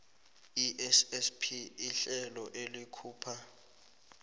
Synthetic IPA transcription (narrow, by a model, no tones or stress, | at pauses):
iʔɛsɛspʰiiɬɛlɔʔelikʰuːpʰa